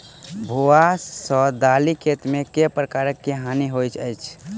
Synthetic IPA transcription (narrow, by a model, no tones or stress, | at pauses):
bʱoasəd̪alikʰet̪mekepɾəkaɾəkːeɦaniɦojt͡ʃʰəjt͡ʃʰ